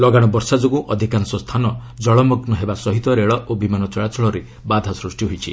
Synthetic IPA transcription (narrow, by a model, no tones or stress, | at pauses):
lɔɡaɽ̃ɔbɔɾsad͡ʒoɡũʔɔd̪ʱikansɔst̪ʰanɔd͡ʒɔɭɔmɔɡnɔɦebasɔɦit̪ɔɾeɭɔʔobimanɔt͡ʃɔɭat͡ʃʰɔɭɔɾe | bad̪ʱasɾusʈjiɦojt͡ʃʰi